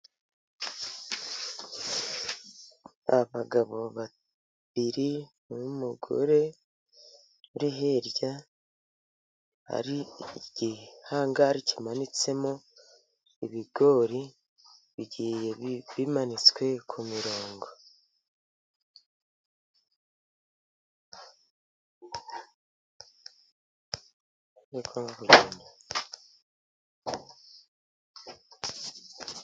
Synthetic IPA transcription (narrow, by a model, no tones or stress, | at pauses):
aβaɡaβo̞βa | βiɾimumuɡo̰ɾe̞ | uɾiɦe̞ɾɟa | ha̰ɾiɟ̥ihaːŋɡaɾicimanit͡se̞mo | iβiɡo̞ːɾi | βiɟijeβimanit͡skwe̞kʰumiɾoːŋɡo | ekʰoŋɡakuɡeːnda